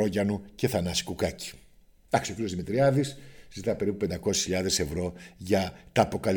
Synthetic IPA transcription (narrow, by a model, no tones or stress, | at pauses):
oʝɐnuce̞θɐnɐsi̥kukɐci̥ | d̪̥ɐksiocio̞zðimit̪ɾiɐðiszit̪ɐpe̞ɾipu̥pe̞nd̪ɐko̞se̥sçiʎɐðe̞se̞vɾo̞ʝɐt̪ɐːpo̞kɐl